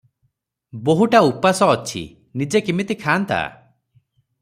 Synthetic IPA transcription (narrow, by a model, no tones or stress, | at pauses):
boɦuʈaupasɔːt͡ʃʰḭ | nid͡ʒekimit̪ikʰaːnt̪a̰